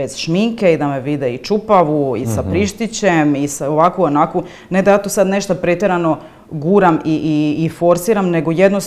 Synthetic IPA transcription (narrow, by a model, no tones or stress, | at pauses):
ez̥ʃmiŋkeid̪ame̞ʋid̪eit͡ʃupaʋuisapɾiʃt̪it͡ɕemisaoʋakuonaku | ned̪ajaːt̪osad̪ne̞ʃt̪apɾet̪eɾano̞ | ɡuːɾamiʔiːfo̞ɾsiɾamne̞ɡojed̪no